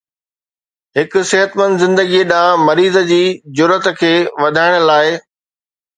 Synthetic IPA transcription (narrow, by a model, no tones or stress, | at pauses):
ɦɪkʊsɪɦət̪mə̃nd̪zɪ̃nd̪əɡiɗãːmɐɾiːzəd͡ʑiːd͡ʑʊɾət̪kʰeːʋɐd̪ʱaːɪɽ̃laːɪ